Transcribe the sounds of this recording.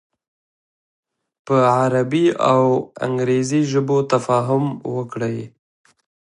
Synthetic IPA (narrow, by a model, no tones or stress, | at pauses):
pəʕaɾabiawa̰ŋɡɾeziʒəbot̪afɑɦʊmwəkɽəj